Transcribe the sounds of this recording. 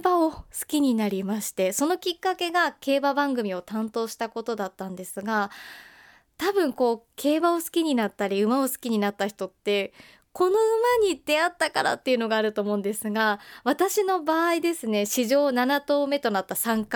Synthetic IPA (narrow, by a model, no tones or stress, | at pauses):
baosɨ̥kʲiɲ̟inaɾʲimaɕi̥t̪e̞so̞no̞kʲikːake̞ɡake̞ːbabãŋɡɯ̟mʲio̞t̪ãnt̪o̞ːɕi̥t̪ako̞t̪o̞d̪at̪ːãnd̪e̞sɨɡa | t̪abɯ̟̃ŋko̞ːkʰe̞ːbaosɨ̥kʲiɲ̟inat̪ːaɾʲiɯ̟mao̞sɨ̥kʲiɲ̟inat̪ːaçi̥t̪o̞t̪ːe̞ | ko̞no̞ɯ̟maɲ̟id̪̥e̞at̪ːakaɾa̰t̪ːe̞iɯ̟no̞ɡaːɾɯ̟t̪o̞ːmo̞ːɯ̃nd̪e̞sɨɡaβ̞at̪aɕino̞baːid̪e̞sɨne̞ɕiʑo̞ːnanat̪o̞ːme̞t̪o̞nat̪ːasãŋk